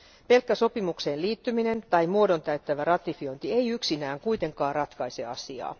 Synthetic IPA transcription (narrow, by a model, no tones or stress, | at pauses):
pe̞lkːæso̞pimukse̞ːnliːt̪ːymine̞nt̪ɑjmuodo̞nt̪æɥt̪ːæʋærɑt̪ifio̞jnt̪ie̞jyksinæːŋkuit̪e̞ŋkɑːrɑt̪kɑise̞̰ɑsiɑ̰ː